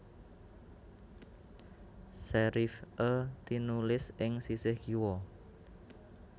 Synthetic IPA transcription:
sɛɾifʔət̪inulɪsɪŋsisɪhɡ̥iwɔ

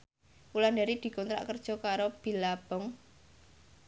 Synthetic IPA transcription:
ulandaɾid̪̥i̤kɔnt̪ɾa̰ʔkərd̥ʒ̥ɔ̤kaɾob̥i̤lab̥ɔ̤ŋ

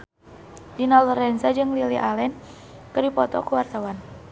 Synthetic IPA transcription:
dinaluɾɛnsad͡ʒɨŋliliʔalɛn | kɨrdipɔt̪ɔ̰kuwart̪awan

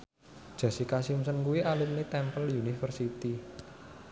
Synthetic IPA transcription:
d̥ʒ̥ä̤sikasimsənkuwiʔalip̚nit̪ɛmpəljunifərsit̪i

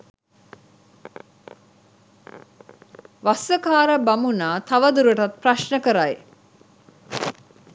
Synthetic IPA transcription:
ʋasəkaːɾəbamunaːt̪aʋəd̪uɾəʈat̪̚praʃnəkəɾaj

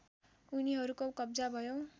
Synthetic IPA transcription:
uniɦʌɾukokʌbd͡zabʱʌjo

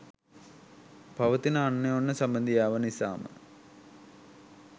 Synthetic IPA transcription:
bʱɐʋɐt̪inɐnːeonːəsɐmbɐnd̪ʱijaːʋɐnisa̰ːmə̰

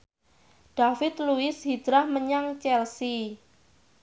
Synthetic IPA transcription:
ɖ̥afɪt̪luɪshid̪ɾahməɲaŋt͡ʃɛlsi

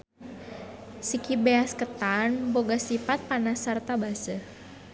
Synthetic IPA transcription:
sikibeaskət̪anboɡasifat̪̚panasart̪abasə

